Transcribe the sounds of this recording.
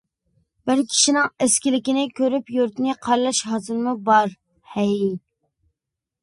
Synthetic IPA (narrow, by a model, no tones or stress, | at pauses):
b̥ɪɾkʲʰi̥ʃinɪŋeskʲilɪkʲinɪkʲʰøɾypjøɾt̪nɪqʰɑɾlˠɑʃɦɑzɨɾmubɑɾ | hɛj